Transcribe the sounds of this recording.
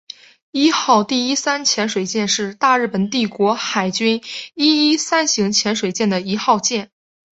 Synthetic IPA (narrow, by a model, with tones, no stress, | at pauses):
i˥xɑ˥˧ʊt̪i˥˩i˥sa˥nt͡ɕʰjɛ˧˥nʂwe˨˩ɪt͡ɕjɛ˥˧nʂɻ̩˥˧t̪a˥˧ɻ̩˥˩pə˨˩nt̪̬i˥˩kwɔ˧˥xa˨˩ɪt͡ɕy˥ni˥i˥sa˥nɕi˧˥ŋt͡ɕʰjɛ˧˥nʂwe˨˩ɪt͡ɕjɛ˥˩nd̪ə˩i˧˥xɑ˥˧ʊt͡ɕjɛ˥˩n